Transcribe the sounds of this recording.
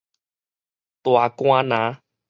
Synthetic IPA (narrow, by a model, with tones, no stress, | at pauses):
t̪o˨a˨˧kõ˦a˦nã˨˦